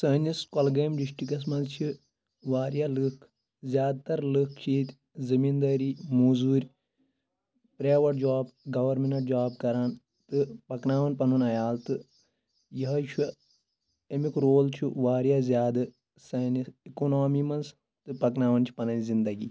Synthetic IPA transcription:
sɐːniskɐlɡɐːmɖiʃʈik̬ɐs̬mɐnzt͡ʃʰi | ʋaːɾjaːlɨkʰ | zʲjaːd̪̚t̪ɐɾlɨkʰt͡ʃʰiːt̪ʲ | zɐmiːnd̪ɐːɾiːmuːzuːɾʲ | pɾaːʋɐʈ̚d͡ʒaːbɡɐʋɐɾmenɐʈd͡ʒaːb̚kɐɾaːn | t̪ɨpɐknaːʋɐnpɐnɐnɐjaːlt̪ɨ | jɐɦɐt͡ʃʰu | emikɾoːlt͡ʃʰiʋaːɾjaːzʲjaːd̪ɨ | sɐːnisikoːnoːmimɐns | t̪ɨpɐknaːʋɐnt͡ʃʰi̥pɐnɐnzind̪ɐɡiː

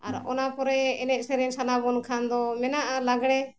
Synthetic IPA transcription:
aɾɔ̰napɔɾɛɛnɛʔsɛɾɛnsanabɔnkʰand̪ɔmɛnaʔalaɡɽɛ

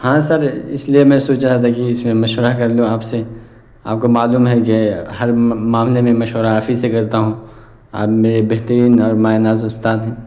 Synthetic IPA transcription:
hãːsɐɾɪslijemɛ̃ːsoːt͡ʃɾaɦɛt̪ʰakiɪsmẽmɐʃwəɾakɐɾd̪ũaːpse | a̰ːp̚komaːluːmɦɛkehɐɾmaːmlemẽmɐʃwəɾaɦaːfisekɐɾt̪aɦũː | a̰ːpmeːɾebɛɦt̪əɾiːnɔːɾmaːenaːzʊst̪aːt̪ɦɛ̃ː

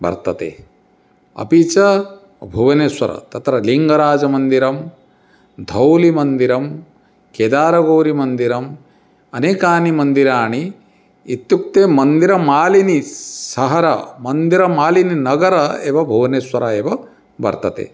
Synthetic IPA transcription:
bɐ̰ɾt̪ɐt̪ḛː | ɐ̰pit͡ʃɐ | bʱuʋɐneswɐɾɐ̰t̪ɐt̪ɾɐliŋɡɐɾaːd͡ʒɐmɐnd̪iɾɐm | d̪ʱɐwlimɐnd̪iɾɐm | keːd̪aːɾɐɡoːɾimɐnd̪iɾɐm | ɐneːkaːnimɐnd̪iɾaːɳiː | t̪juk̚t̪eːmɐnd̪iɾɐmaːlinisɐɦɐɾɐmɐnd̪iɾɐmaːlininɐɡɐɾɐeːʋɐbʱuʋɐneswɐɾɐeːʋɐ | bɐ̰ɾt̪ɐt̪ḛː

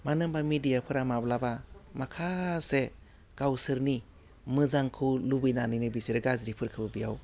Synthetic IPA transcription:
manɯmbamidijapʰɯɾamablabamakʰase | ɡ̥awsɯɾni | mɯzaŋkʰɯlubɯjnanɯnɯbisiɾɯɡazɾipʰɯɾkʰɯbɯbijaw

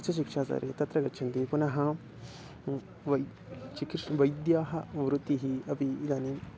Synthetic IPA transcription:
t͡ʃʰɐʃ̬ikʂaːsɐ̰ːɾʔeːt̪ɐt̪ɾɐɡɐtːʃʰɐnt̪ipunɐɦɐ | ʋɐ | t͡ʃikiʂʋɐjd̪jaːɦɐʋɾut̪iɦiɐpiːd̪aːni

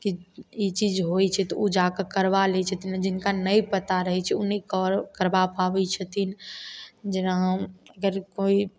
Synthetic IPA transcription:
kiit͡ʃid͡ʒɦot͡ʃʰɛt̪ɔud͡ʒakəkəɾbalet͡ʃʰət̪ind͡ʒɪnkanəjpət̪aɾəɦɛt͡ʃʰɛunikkəɾbapabɛt͡ʃʰət̪in | d͡ʒənaəɡəɾkoi

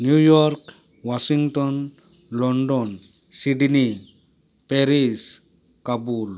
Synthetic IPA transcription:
njujɔɾk | wasiŋʈɔn | lɔnɖɔn | siɖni | peɾis | kabul

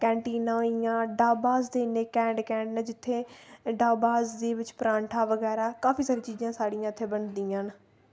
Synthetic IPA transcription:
kɛ̃ːɳʈiːnãːijãːɖaːbaːsd̪eːneːkɛ̃ːɳɖkɛ̃ːɳɖnẽːd͡ʒɪt̪ʰːeːɖaːbaːsd̪eːʋɪt͡ʃpɾãːɳʈʰaːʋəɡɛːɾaːkaːpʰiːsaːɾiːt͡ʃiːzãːsaːɽijãːt̪ʰːeːbənd̪iːãːn

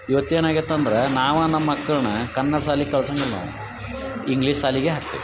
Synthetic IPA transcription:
iʋɐt̪ːeːnaːɡit̪ːɐnd̪ɐɾenaːʋnːɐmːɐkːɐɭɐnɐkɐnːɐɽɐsaːlikɐɭɐsɐŋɡɐlːɐ̰ | iŋɡliːʂsaːliɡeɦɐkːḛ

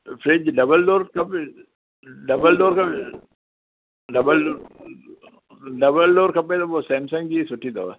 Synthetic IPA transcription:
fʰɾed͡ʒɖɐbəlɖoːɾkɐp | ɖɐbəlɖoːɾkɐb | ɖɐbəloː | ɖɐbəlɖoːɾkɐp̬ːẽːt̪obosɛːmsɐ̃ŋɡd͡ʒisʊʈʰːid̪o̰ː

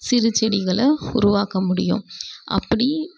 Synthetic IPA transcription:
sɪɾɯt͡ʃːɛɽɪɣɐɭɐʊɾʊʋaːkɐmʊɽɪjʊ̰̃ʔɐ̰pːɐɽi

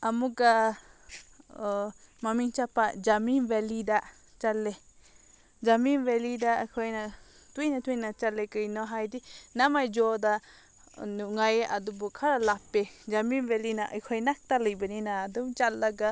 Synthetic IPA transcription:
amuɡa | mamiŋt͡ʃapad͡ʒaminbɛlida | t͡ʃalːe | d͡ʒaminbɛlidakʰɔjna | tujnat̪ujnat͡ʃalekɯjnɔɦajdinamajd͡ʒɔda | nuŋajeʔadubukʰaɾalapːed͡ʒaminbɛlinaʔəjkʰɔjnak̚t̪alɯjbəninaːdumt͡ʃalaɡa

